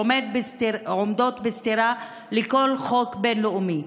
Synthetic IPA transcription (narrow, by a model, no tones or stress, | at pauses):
omed̪̚bst̪omd̪o̞t̪best̪iɾa | lekolχo̞kbe̞nloumi